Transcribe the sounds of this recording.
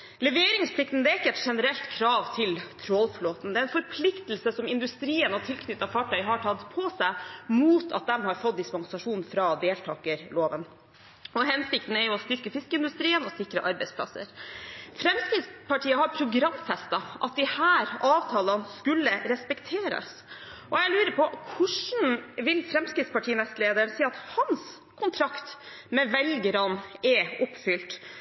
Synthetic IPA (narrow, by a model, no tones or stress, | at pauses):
lɛʋeːɾɪŋspʰlɪkt̪n̩d̪ɛɪkːəɛt̪ʂɛnəɾɛlt̪kʰɾɑːʋt̪ʰɪlt̪ʰɾɔlfloːt̪nd̪ɛæɛnfɔɾpʰlɪkt̪l̩səsɔmɪnd̪ʉst̪ɾiːənɔt̪ʰɪlkʰnʏt̪ːɑfɑːʈʰœʏɦɑʈʰɑd̪pʰɔsæɪmuːt̪ʰɑ̰t̪̚d̪ɛmhɑɾfɔt̪̚d̪ɪspɑŋsɑʂuːnfɾɑd̪eːlt̪ʰɑːkəɾloːʋən | ɔɦɛnsɪk̚t̪n̩ɛɾjʊɔst̪ʏɾkəfɪskəɪnd̪ʉst̪ɾiːənɔsɪkɾə̰ʔɑɾbɛɪspʰlɑ̰sə̰ɾfɾɛmskɾɪt̪spʰɑʈʰiːəhɑɾpʰɾʊɡɾɑmːfɛst̪ɑʔɑt̪̚d̪ɪhæːɾʔɑːʋt̪ʰɑːlɑnskʉlːəɾɛspɛkt̪ʰeːɾɑ̰s | ʔɔæɪlʉːɾəpʰɔkʰʊʂɳ̩ʋɪlfɾɛmskɾɪt̪spɑʈʰiːnɛst̪leːd̪əɾɳsiːɑt̪hɑns | kʰʊnt̪ʰɾɑkt̪ | mɛʋɛlɡəɾɑnɛʊpːfʏlt̪